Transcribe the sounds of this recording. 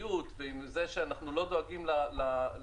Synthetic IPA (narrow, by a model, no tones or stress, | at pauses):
jut̪veimze̞ʃeanaχnulo̞d̪o̞aɡimlala